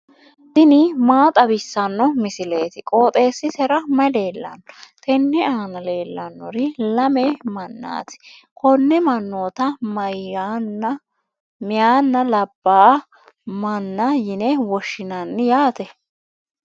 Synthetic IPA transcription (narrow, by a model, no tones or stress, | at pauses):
d̪̥ɪnɪmaːt̪ʼɐbɪsːɐnːɔmɪsɪle̞ːt̪ɪkʼo̞ːt̪ʼe̞ːsːɪsɛɾɐmɐle̞ːlːɐ̰nːɔt̪ʰɛnːɛaːnɐle̞ːlːɐnːɔ̰ɾɪlɐmɛmɐnːa̰ːt̪ɪ̥ | kʰɔnːɛmɐnːo̞ːt̪ɐm | mɪjaːnːɐlɐbːaː | mɐnːɐjɪnɛwɔʃːɪnɐnːɪjaːt̪ɛ